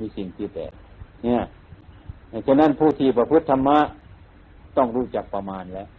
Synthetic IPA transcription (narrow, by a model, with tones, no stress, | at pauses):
miː˧˥si˨˩ŋt̪ʰiː˧˩t̪ɛ̰ː˨˩ | ni˧˩ɐ˨ | n˧˩sʰa˧na˧˥˨npʰuː˧˩t̪ʰiː˧˩pa˧pʰɯ˦˥t̪ʰːa˧mːa˦˥ʔ | t̪ɔ˧˥˩ŋɾuː˧˥˩t͡ɕa˨˩k̚pa˧maː˧nlɛ˦˥ʔ